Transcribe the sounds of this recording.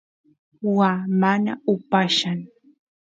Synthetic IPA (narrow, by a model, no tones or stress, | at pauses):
wamana̰ʊpaʃaŋ